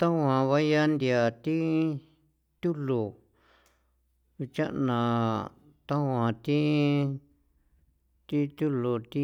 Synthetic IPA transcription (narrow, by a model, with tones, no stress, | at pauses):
t̪a˦wã˧˨βa˦ja˦nd̪i˧a˨t̪i˦ | t̪ʲu˦lu˨ | βi˧t͡ʃa˦ʔnã˨ | t̪a˦wã˨t̪i˦ | t̪i˦t̪ʲu˦lo˨t̪i˦